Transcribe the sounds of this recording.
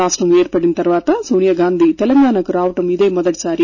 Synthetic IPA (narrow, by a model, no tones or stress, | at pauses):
aːʂʈɾɐmeːɾpɐɽinɐt̪ɐɾʋaːt̪ɐsuːnijɐɡaːnd̪ʱit̪ɛlɐŋɡaːnɐkuɾaːʋɐʈɐmid̪eːmɔd̪ɐʈi̥saːɾi